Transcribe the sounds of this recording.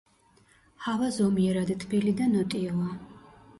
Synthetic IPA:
havazɔmiɛɾad̪it̪ʰbilid̪anɔt̪ʼiɔlˠa

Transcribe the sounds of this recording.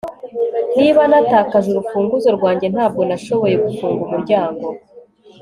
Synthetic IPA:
n̥iβanataːkazuɾufuːŋɡuzo̞ɾɡwaːɲɟe̞nhaːb̚ɡo̞naʃo̞βo̞je̞ɡufuːŋɡumuɾɟaːŋɡo̞

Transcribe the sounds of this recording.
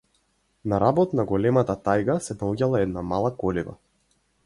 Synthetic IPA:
naɾabɔt̪naɡɔlɛmat̪at̪ajɡasɛd̪auɟʲalˠaɛd̪namalˠakɔliva̰

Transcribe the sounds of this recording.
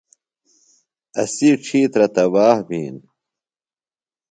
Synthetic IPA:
ɐsiʈ͡ʂʰiːt̪ɾɐt̪ɐwaːhbiːn

